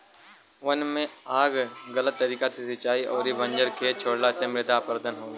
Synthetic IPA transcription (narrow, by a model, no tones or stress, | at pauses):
ʊənmẽaːɡɣɐlət̪ːɐɾiːkat̪ʰesɪt͡ʃaːiʔɔːɾiʋɐ̃ɲd͡ʒəɾkʰeːt͡ʃʰoːɽlasẽmɪɾɪt̪aːpəɾd̪ənɦoː